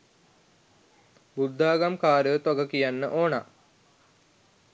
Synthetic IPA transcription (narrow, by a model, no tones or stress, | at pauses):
bud̪ʱːaːɡamkaːɾət̪ʋaɡəkijanːəʔoːna